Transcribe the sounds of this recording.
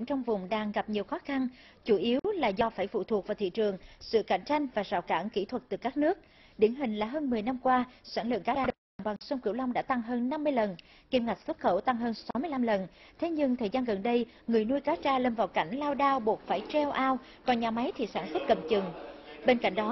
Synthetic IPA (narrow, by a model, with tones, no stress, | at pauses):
ŋt͡ɕɔ˧wŋ͡mvʊ˨˩ŋ͡mɗaː˧ŋɣa˨˩p̚ɲi˨˩əwxɔ˨˦xa˧n | t͡ɕu˧˩ʔi˨˦wlaː˨˩zɔ˧˩faː˧˩jfṵ˧˨t̪ʰu˨˩ək̚vaː˨˩wt̪ʰḭ˧˨t͡ɕɨ˨˩əŋsɨ̰˧˨ka˧˩jŋ̟t͡ɕa˧jŋ̟vaː˨˩zaː˨˩wka̰ː˧˩nkḭ˧˩t̪ʰwə˨˩t̚t̪ɨ˨˩kaː˦˥k̚nɨ˦˥ək̚ | ɗi˧˩ənɦï˨˩ŋ̟laː˨˩ɦəː˧nmɨ˨˩əjna˧mkwaː˧swaː˧˩nlɨ̰˧˨əŋkaː˨˦˥aː˧ɗə˨˩a˨˩ŋɓa˨˩ŋswə˧ŋ͡mkɨ̰˧˩əwla˧wŋ͡mɗa̰ː˧˥t̪a˧ŋɦəː˧nːa˧mːɨ˧əjlə˨˩n | ki˧əmŋa˨˩jk̟̚su˦˥t̚xə˧˩wt̪a˧ŋɦəː˧nsa˨˦mɨ˧əla˧mlə˨˩nt̪ʰe˨˦ɲɨ˧ŋt̪ʰəː˨˩zaː˧nɣə˨˩nɗə˧j | ŋɨ˨˩əjnu˧jkaː˨˦t͡ɕaː˧lə˧nvaː˨˩wka˧˩jŋ̟laː˧wɗaː˧wɓu˨˩ət̚faː˧˩jt͡ɕɛ˧wʔaː˧w | kɔ˨˩nɲaː˨˩ma˨˦jt̪ʰi˨˩saː˧˩nswə˦˥t̚kə̰˧˨˩mt͡ɕɨ˨˩ŋɓe˧nka̰˧˩jŋ̟ɗɔ˨˦